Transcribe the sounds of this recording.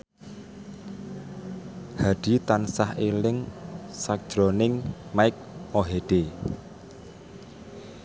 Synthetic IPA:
haɖ̥i̤t̪ansahelɪŋsak̚ʒ̥ɾɔnɪŋmaɪk̚oɦeɖ̥e

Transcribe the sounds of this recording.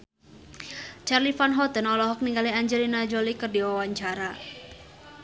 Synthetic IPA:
t͡ʃarlifanɦɔt̪ənɔlɔɦɔk̚niŋɡaliaɲd͡ʒɛlinad͡ʒolikərdiwawaɲt͡ʃaɾa

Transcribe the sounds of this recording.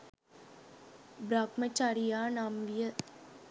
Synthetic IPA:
bɾakmət͡ʃaɾijaːnamʋijə

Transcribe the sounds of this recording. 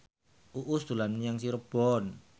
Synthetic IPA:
ʔuʔust̪ulanjaŋsiɾəb̥ɔn

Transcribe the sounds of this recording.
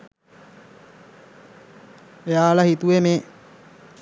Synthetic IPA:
ejaːlɐhit̪uʋeme

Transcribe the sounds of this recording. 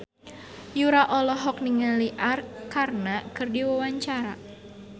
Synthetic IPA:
juɾaʔɔlɔɦɔk̚niŋaliʔarkarnakɨrdiwawaɲt͡ʃaɾa

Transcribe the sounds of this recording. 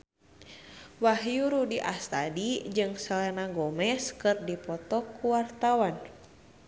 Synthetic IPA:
wahjuɾudiʔast̪adid͡ʒɨŋsəlenaɡɔmɛskɨrdipɔt̪ɔkːuwart̪awan

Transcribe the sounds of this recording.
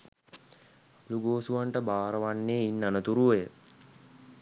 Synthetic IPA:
luɡoːsuʋaɳʈəbaːɾəʋanːeːinːanət̪uɾuʋejə

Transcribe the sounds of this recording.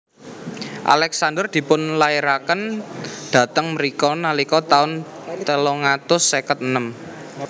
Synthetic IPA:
ʔa̰lɛksandərd̪̥i̤pʊnlaiɾakənd̪̥ä̤t̪əŋməɾikɔnalikɔt̪aʊnt̪əlɔŋat̪ʊsːekət̪̚ənəm

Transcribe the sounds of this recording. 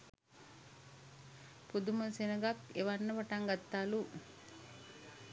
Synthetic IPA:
pud̪uməsenəɡat̪eʋanːəʋaʈaŋɡat̪ːaːlu

